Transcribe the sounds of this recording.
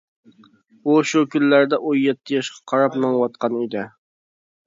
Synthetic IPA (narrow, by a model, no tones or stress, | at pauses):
uʃukʲʰynːæɾd̪ɛʔujɛt̪ʰːɪjɑʃqʰɑ̥qʰɑɾɑpmɨŋwɑt̪̚qʰɑnid̪ɪ